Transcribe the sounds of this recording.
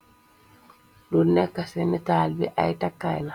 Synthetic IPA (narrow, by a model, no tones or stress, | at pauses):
dunːɛkːasɛmitaːlbiʔa̰jtakːajla